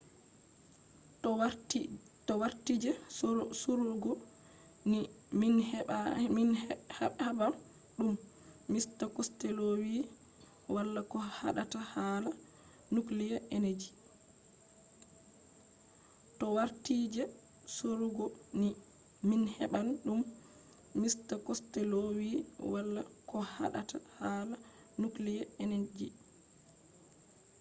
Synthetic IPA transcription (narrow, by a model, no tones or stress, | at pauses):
tɔwaɾtid͡ʒɛsuɾuɡɔ | niminhinhhabal | ɗumː | istakɔstelowi | walːakɔha̰ɗatahaːla | nuklijɛʔened͡ʒi | tɔwaɾtiːd͡ʒɛ | soɾuɡɔni | minhɛɓanɗumː | istakɔstɛlowiwalːakɔha̰ɗa̰tahaːla | nuklijɛened͡ʒi